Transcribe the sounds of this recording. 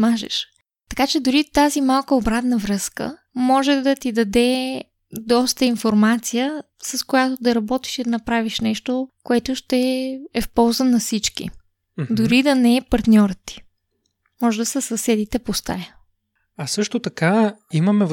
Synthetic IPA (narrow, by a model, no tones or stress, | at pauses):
maʒɛ̰ʃ | t̪ɐ̥kat͡ʃɛd̪ʊɾit̪azimalˠkoːbɾat̪nəvɾɤskə̰mɔʒɛd̪ɐt̪id̪ɐd̪ɛ | d̪ɔst̪əinfoɾmat̪sijə | sɐskojat̪od̪ɐɾɐbɔt̪i̥ʃid̪ɐnɐpɾaviʃnɛʃt̪okoɛt̪ʊʃt̪ɛɛfpɔlˠzənɐfsit͡ʃkḭ | d̪ʊɾid̪ɐnɛɛpɐɾt̪nʲɔɾət̪ːi̥ | mɔʒɛd̪ɐsəsɐsɛd̪it̪ɛpost̪a̰jə | ɐsɤʃt̪ot̪ɐkaiməmɛ